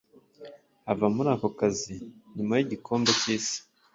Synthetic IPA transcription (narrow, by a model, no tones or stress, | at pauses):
avamuɾaːkokaziɲumajiɟikʰo̞ːmbeciːsi̥